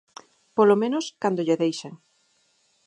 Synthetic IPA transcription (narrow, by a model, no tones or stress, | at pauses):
polomẽnoskand̪oʎeðejʃeŋ